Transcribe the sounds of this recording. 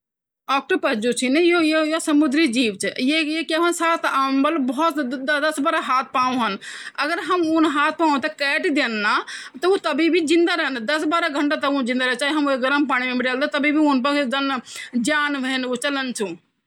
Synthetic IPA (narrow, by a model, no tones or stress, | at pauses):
ɔːk̚ʈəɾpəɦd͡ʒut͡ʃʰinejojojosɐmud̪ɾid͡ʒiːʋt͡ʃʰjejekeɦənsaːt̪ʰambəlbɔɔt̪d̪d̪ɐsbaɾaɦaːt̪̚ʰpaːũɦənəɡəɾɦəmunɦaːt̪̚ʰpaːũt̪ekɛːʈid̪enːat̪ɐut̪əbibʱid͡ʒĩnd̪aɾənd̪ɐsbaːɾaɡʱəɳʈat̪əũd͡ʒɪ̃nd̪aɾət͡ʃaːɦiɦɐmeɡɾəmpaːɽ̃imẽmiɖeːld̪ot̪ɐbibʱiunpəked͡ʒənd͡ʒaːnʋənut͡ʃɐlənt͡ʃʰũ